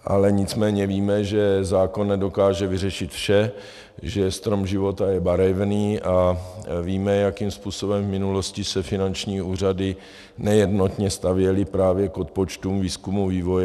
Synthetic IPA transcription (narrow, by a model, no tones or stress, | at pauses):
ʔa̰lɛɲɪt͡smɛːɲɛviːmɛʒɛzaːko̞nːɛdo̞kaːʒɛvɪrɛʃɪt̪fʃɛ | ʒɛst̪ɾo̞mʒɪvo̞t̪ajɛbaɾɛvniːʔaviːmɛjakiːmspuːso̞bɛmvmɪnulo̞scɪsɛfɪnant͡ʃɲiːuːr̝adɪ | nɛjɛdno̞t̪ɲɛst̪avjɛlɪpɾaːvjɛko̞t̪̚po̞t͡ʃt̪umviːskumuviːvo̞jɛ